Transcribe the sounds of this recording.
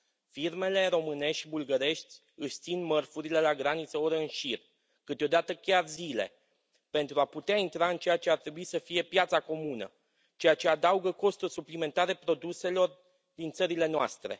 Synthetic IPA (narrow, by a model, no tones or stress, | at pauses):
firme̞le̞ɾo̞mɨne̞ʃtʲbulɡəɾe̞ʃt̪ʲ | ɨʃʲt̪sinmərfuɾile̞laɡɾanit̪səoɾɨnʃir | kɨt̪eo̞d̪at̪əkʲarzile̞̰ | pe̞nt̪ɾuaput̪eaint̪ɾaɨnt͡ʃe̞jat͡ʃe̞art̪ɾe̞buisəfije̞pjat̪sako̞munə̰ | t͡ʃe̞jat͡ʃe̞ad̪auɡəko̞st̪urʲsuplime̞nt̪aɾe̞pɾo̞d̪use̞lo̞r | d̪int̪səɾile̞noa̰st̪ɾe̞̰